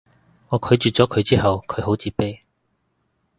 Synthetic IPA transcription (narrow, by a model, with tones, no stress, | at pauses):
ŋɔː˨˧kʰɵ˨˥jt͡ʃyː˨t̚t͡sɔː˨˥kʰɵ˨˧ɥt͡siː˥ɦɐ˨wkʰɵ˨˧ɥɦo˨˥wt͡siː˨˥pe˥j